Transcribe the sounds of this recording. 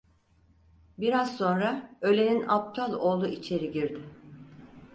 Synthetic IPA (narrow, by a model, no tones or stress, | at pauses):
biɾazso̞nɾaø̞lʲeninap̚t̪ʰalˠo̞ːlˠuʔit͡ʃʰe̞ɾiɟiɾd̪ɪ